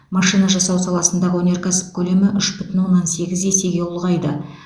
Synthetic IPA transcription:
mɑʃijnɑʒɑsɑwsɑlˠɑsənd̪ɑʁəwɵnʲe̞ɾkʰasə̥p̚kʲʰɵle̞mɪʔʏʃbʏt̪ɪnwo̞nːɑnse̞ɡʲɪzese̞ɡʲe̞ʊlˠʁɑjd̪ə

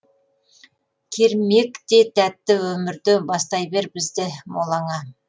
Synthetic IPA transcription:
kʲʰeɾmekt̪e̞t̪ʰæt̪ːɪwɵmɪɾd̪ɪbɑst̪ɑjbe̞ɾbɪzd̪ɪmolˠɑɴɑ

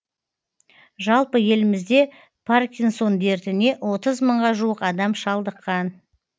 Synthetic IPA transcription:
ʒɑlˠpəje̞lɪmɪzd̪e̞ | pʰarkʲinso̞nd̪e̞ɾt̪ɪne̞ʔwo̞t̪əzməɴʁɑʒuwəqɑd̪ɑmʃɑlˠd̪əqːɑn

